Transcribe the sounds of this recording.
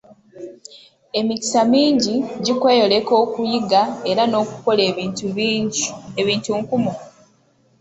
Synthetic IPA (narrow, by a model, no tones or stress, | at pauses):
e̞mici̥samiːɲɟiɟikwe̞ːjo̞le̞ko̞ːkujiɡae̞ɾano̞ːku̥ko̞le̞ːiːntu | eβiːntuːŋkumu